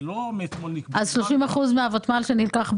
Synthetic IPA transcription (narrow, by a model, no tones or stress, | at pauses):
lomet̪monikazʃloʃimaχuzmeavotmalʃenilkaχb